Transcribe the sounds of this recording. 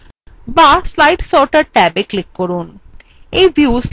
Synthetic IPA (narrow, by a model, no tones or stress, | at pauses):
baslajʈsɔɾʈaɾʈɛbeklikːoɾun | ejbʱjus